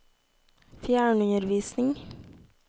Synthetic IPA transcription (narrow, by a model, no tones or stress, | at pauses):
fjæːɳʉnəɾʋiːsnɪŋ